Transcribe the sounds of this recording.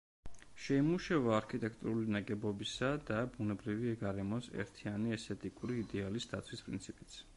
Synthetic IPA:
ʃɛimuʃavaːɾkʰit̪ʼɛkʰt̪ʼuɾulinaɡʼɛbɔbisad̪abunɛbɾiviɛɡaɾɛmɔsɛ̰ɾt̪ʰianiɛst̪ʰɛt̪ʼikʼuɾiːd̪ɛalisd̪at̪sʰwispʼɾinsʰipʼit̪sʰ

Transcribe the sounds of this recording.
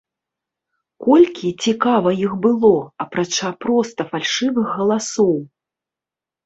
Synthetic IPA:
kɔlʲkʲit͡sʲikavɐjixbɨlˠɔɐpɾat͡ʂapɾɔst̪ɐfalʲʂɨvɨxːɐlˠasɔw

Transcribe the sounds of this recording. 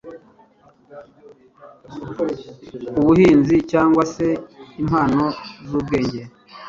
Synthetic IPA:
uβuhiːnzicaːŋɡwase̞im̥haːnozuːb̚ɡe̞ːɲɟe̞ɾe

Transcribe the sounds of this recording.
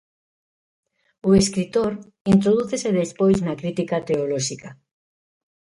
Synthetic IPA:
oeskɾit̪oɾ | int̪ɾoð̞uθeseðespojznakɾit̪ikat̪eoloʃika

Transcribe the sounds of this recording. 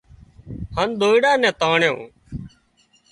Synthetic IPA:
haːnd̪oːɪɽaːnɛ̃ːt̪aːɳjõ̰ː

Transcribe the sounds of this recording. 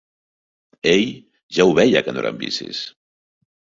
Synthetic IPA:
eʎ | ʒauβɛʎakənoɾa̰mbḭsḭs

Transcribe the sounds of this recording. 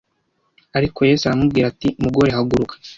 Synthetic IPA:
aɾiko̞je̞ːsaɾamubɡiːɾatimuɡo̞ɾe̞ɦaɡuɾukḁ

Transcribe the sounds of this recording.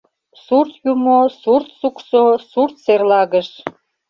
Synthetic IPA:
surt̪jumosurt̪suksosurt̪serlɑɣəʃ

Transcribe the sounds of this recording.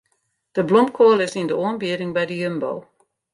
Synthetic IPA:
d̥əblɔmpkʰoːlˠɪsindəoənbiədɪŋbɛjdəjømbo̰w

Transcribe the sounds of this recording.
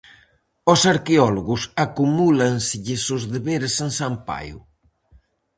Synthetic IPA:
osaɾkeɔloɣusakumulansɪʎɪsozðeβeɾesensampa̰jṵ

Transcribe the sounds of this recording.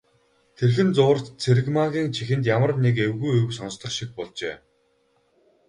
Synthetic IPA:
t̪ʰerxɘ̆nt͡sʊːr̥t̪t͡sʰeɾɘ̆ɣmaɣʲiːŋt͡ɕʰixɘ̆nt̪jamə̆rnekewɣujɵwsɔnst̪ə̆χʃik̚pɔɮt͡ɕeː

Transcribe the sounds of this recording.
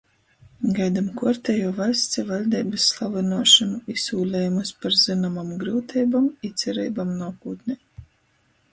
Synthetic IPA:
ɡajd̪amkuɔɾt̪ʲɛjuɔvajst̪sʲɛvalʲd̪ɛːbɨsːlˠavɨnuɔʃɨmuisuːlʲɛːjumɨspaɾzɨnamamɡɾuːt̪ʰɛːjbamit̪sʲɛɾḭːbamnuɔkuːt̪nʲɛ

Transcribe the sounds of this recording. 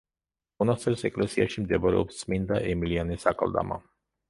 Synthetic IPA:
unaseɾseklesiaʃimd̪ebaɾ̰o̰p̪smind̪aʔemilianesaka̰ld̪a̰ma̰

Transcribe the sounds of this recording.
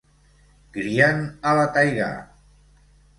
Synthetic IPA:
ɡ̥ɾianalat̪ajɣa̰

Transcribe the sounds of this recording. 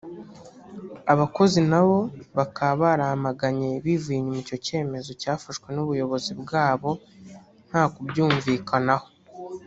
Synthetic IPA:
aβako̞zinaβo̞βakaβaɾahamaɡaɲe̞βiviɲemuco̞ce̞ːme̞zo̞caːfaʃkwe̞nuβujo̞βo̞zibɡaːβo̞ | n̥haːkubjuːɱviːkʰanaho̞

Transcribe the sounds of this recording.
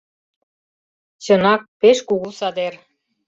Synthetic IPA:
t͡ɕə̆nɑk̚peʃkuɣusɑd̪er

